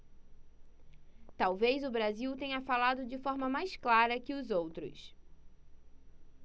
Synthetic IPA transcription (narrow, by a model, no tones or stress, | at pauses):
t̪awvejzʊbɾaziwt̪ẽɲɐfalad̪ʊd͡ʒɪfɔɾmɐmajsklaɾɐkɪʊzowt̪ɾʊ̰s